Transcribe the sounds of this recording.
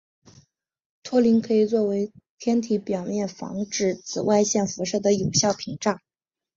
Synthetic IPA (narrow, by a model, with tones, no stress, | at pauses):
t̪ʰwɔ˥li˧˥nkʰɤ˧˥i˨˩t͡swɔ˥˩we˧˥ɪt̪ʰjɛ˥nt̪ʰi˧˥pjɑ˨˩ʊmjɛ˥˩nfɑ̰˧˥ŋʈ͡ʂɻ̩˥˩t͡sʰɹ̩˨˩wa˥˧ɪɕjɛ˥˩nfu˧˥ʂɤ˥˩d̪ə˩jo˨˩ʊɕjɑ˥˩ʊpʰi˧˥ŋʈ͡ʂɑ˥˩ŋ